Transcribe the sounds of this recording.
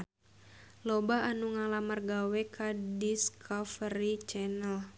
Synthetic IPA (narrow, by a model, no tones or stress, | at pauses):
lɔbaanuŋalamərɡawɛkʰadiskʰɔfəɾit͡ʃɛnəl